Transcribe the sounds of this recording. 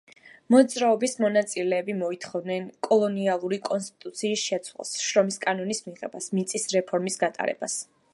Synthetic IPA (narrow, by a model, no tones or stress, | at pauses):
mɔd̪zɾaɔbismɔnat̪sʼilɛːbimɔit̪ʰχɔvnɛnkʼɔlˠɔnialˠuɾikʼɔnst̪ʼit̪ʼut̪sʰiːsʃɛt̪sʰwa̰lˠsʃɾɔmiskʼanɔnismiʁɛbasmit̪sʼisɾɛpʰɔɾmisɡat̪ʼa̰ɾɛ̰bas